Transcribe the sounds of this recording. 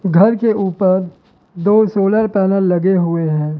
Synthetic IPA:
ɡʱɐɾkeʔuːpəɾ | d̪oːsoːləɾpɛːnəlːɐɡeɦʊeɦɛ̃ː

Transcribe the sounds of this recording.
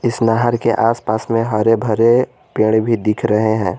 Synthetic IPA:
ɪsnaɦəɾkeʔaːspaːsmẽɦəɾebʱəɾe | peːɽ̃bʱid̪ɪkʰɾəɦeɦɛ̃ː

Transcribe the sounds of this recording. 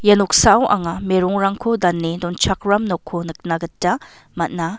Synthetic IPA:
jɐnok̚sawʔa̰ŋɐmeɾuŋɾaŋkʰodɐnːedɔnt͡ʃʰak̚ɾamnokʰonɯk̚naɡɐtːɐ | mɐt̚nɐ

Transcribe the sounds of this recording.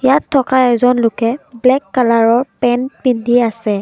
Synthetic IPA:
jatʰːɔkaɛzɔnlʊkɛblɛkːalaɹɔɹpɛnpindʱiasɛ

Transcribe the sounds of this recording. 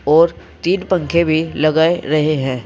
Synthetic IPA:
ɔːɾ | t̪iːɖpə̃ŋkʰebʱilɐɡaːeɾɐɦeɦɛ̃ː

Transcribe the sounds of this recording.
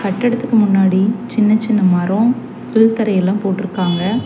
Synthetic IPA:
kɐʈːɛɽɐt̪ːɯkːɯmʊnːaːɽit͡ʃɪnːɐt͡ʃːɪnːɐmɐɾõ | pɪlt̪ɐɾɐjɛlːãːmpoːʈːɪɾɯkːaːŋɡɐ

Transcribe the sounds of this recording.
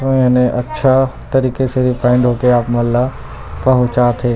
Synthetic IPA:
ɪnẽʔɐtːʃʰat̪ɐɾiːkeseɾifʰaːɪ̃ɳɖɦoːkeaːpmɐlːa | pɐɦʊ̃t͡ʃaːt̪ʰeː

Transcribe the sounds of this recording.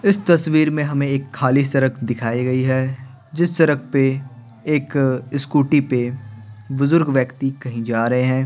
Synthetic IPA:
ɪst̪ɐsʋiːɾmẽɦɐmẽeːkʰːaːlisɐɾəkʰd̪ɪkʰaːiɡɐiɦɛ | d͡ʒɪsːɐɾək̚ʰpe | eːkɪskuːʈipe | bʊzʊɾɡʋjɐkt̪ikɐɦĩd͡ʒaːɾɐɦeɦɛ̃ː

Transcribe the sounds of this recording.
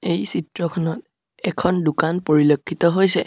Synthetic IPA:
ejsitɹɔkʰɔnɔt̚ | ɛkʰɔndukanpoɹilokʰːitɔɦojsɛ

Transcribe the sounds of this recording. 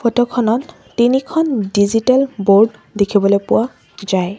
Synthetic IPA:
pʰotokʰɔnɔt | tinikʰɔndizitalboɹɖ | dekʰibɔlojpʊwa | zaj

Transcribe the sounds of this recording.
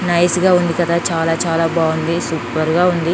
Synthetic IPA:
nɐjsɡaːund̪ikɐd̪aːt͡ʃaːlaːt͡ʃaːlaːbaːund̪isuːpɐɾɡaːund̪i

